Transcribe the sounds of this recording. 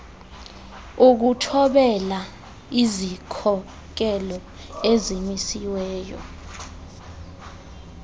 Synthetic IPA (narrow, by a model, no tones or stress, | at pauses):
uk̬utʰɔɓɛla | izikʰɔ | k̬ɛlɔ | ezimisiwɛːjɔ̰